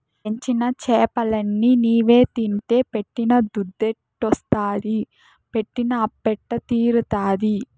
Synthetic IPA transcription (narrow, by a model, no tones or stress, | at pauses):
eɲt͡ʃinɐt͡ʃɛːpɐlɐnːiniːʋe̞ːt̪int̪e̞ːpeʈːinɐd̪ud̪ːeʈːɔst̪aːd̪i | pe̞ʈːinɐːpːɛʈːɐt̪iːɾut̪aːd̪i